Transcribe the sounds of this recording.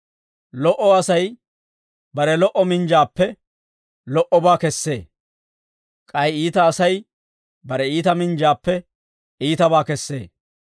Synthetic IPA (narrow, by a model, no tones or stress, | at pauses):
lɔʔɔɐsɐj | bɐɾɛlɔʔɔmɪnd͡ʒaːpːɛ | lɔʔɔbaːkɛsːe̞ː | kʼɐjiːt̪ɐːsɐj | bɐɾɛiːt̪ɐmɪnd͡ʒaːpːɛ | iːt̪ɐbaːkɛsːe̞ː